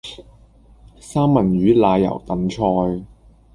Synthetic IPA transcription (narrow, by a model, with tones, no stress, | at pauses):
saː˥mmɐ˨˩nɥyː˨˥laː˨˧jɐ̰˨˩wt̪ɐ˨˥˦mt͡ʃʰɔː˧j